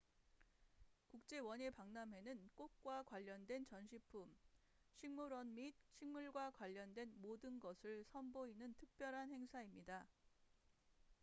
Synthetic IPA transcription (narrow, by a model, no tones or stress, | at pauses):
kuk̚t͡ɕ͈e̞wʌɲe̞paŋnamɦwe̞nɯnk͈ok̚k͈wakwaʎːʌndwe̞nt͡ɕʌnɕʰipʰum | ɕʰiŋmuɾʌnmit̚ɕʰiŋmuɭɡwakwaʎːʌndwe̞nmodɯnɡʌsʰɯɭsʰʌmboinɯntʰɯk̚p͈jʌɾɦanhe̞ŋsʰaimɲida